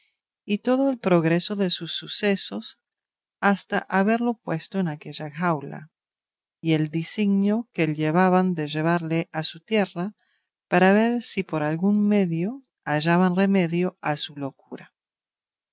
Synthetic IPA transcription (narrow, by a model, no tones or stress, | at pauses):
it̪o̞ðo̞e̞lpɾo̞ɣɾe̞so̞ðe̞susːuse̞so̞s | ast̪aʔaβe̞ɾlo̞pwe̞st̪oenake̞ʝaxawla̰ | ie̞ld̪isiɣnjo̞keljeβ̞aβand̪eʒeβ̞aɾleʔasut̪je̞ra | paɾaβe̞ɾsipo̞ɾalɣunme̞ðjo̞ | aʒaβanreme̞ðjo̞asulo̞kuɾa